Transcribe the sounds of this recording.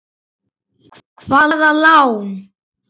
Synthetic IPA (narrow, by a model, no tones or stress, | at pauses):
kʰvaððalaw